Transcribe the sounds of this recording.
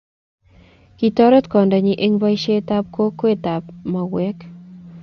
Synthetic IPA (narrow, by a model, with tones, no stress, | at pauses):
ki˨tɔ˦ɾɔ˦t̪kɔ˨nda˨ɲi˨ʔe˦ŋba˦i˦ʃe˦ta˦p̚ko˦kːwe˦˨ta˨pma˨wɛ˦k